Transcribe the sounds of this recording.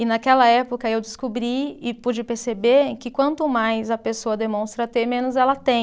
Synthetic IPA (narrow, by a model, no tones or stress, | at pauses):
ɪnɐkɛlɐɛpokɐewd͡ʒɪskobɾiɪpud͡ʒɪpeɾsebekɪkwɐ̃nt̪ʊmajzɐpesoɐd̪emõst̪ɾɐt̪eɾmẽnʊzɛlɐt̪ẽj̃